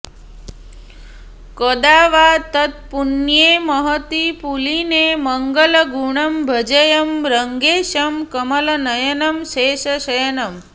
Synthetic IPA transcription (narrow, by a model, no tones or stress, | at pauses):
kod̪aːʋaːt̪ɐt̪̚punjemɐɦɐt̪ipulinemɐŋɡəlɐɡuɳɐmbʱɐd͡ʒɐjɐmɾɐŋɡeːʃɐmkɐmɐlɐnɐjɐnɐmʃeːʃɐʃɐjɐnɐm